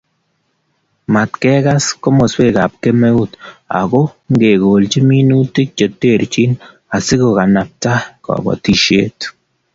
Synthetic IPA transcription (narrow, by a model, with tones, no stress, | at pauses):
ma˨tkɛ˦ka˦sko˦mo˨swe˦˨ka˨p̚ke˦mɛ˦u˦ta̰˨ɡo˦ŋɡe˨ɣoː˨lt͡ʃi˦mi˦nu˦tɪ˦k̚t͡ʃe˨te˦˨ɾt͡ʃi˦n | a˨sɪ˦ɡo˨ka˨na˨p̚ta˦kɔ̰˨bɔ̰˨ti˨ʃe˦t